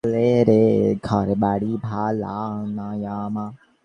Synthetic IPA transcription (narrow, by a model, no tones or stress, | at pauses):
leɾeɡʰʱaɾeɓaːɽiːbʱaːla̰ːnãjaːmãː